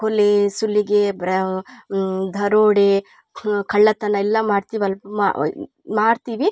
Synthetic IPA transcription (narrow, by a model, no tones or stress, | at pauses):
kolesulːiɡebɾɐ | d̪ʱɐɾoːɽe | kʰɐɭːɐt̪ɐnɐɛlːɐmaːɽt̪iːʋɐla̰ | maːɽt̪iːʋi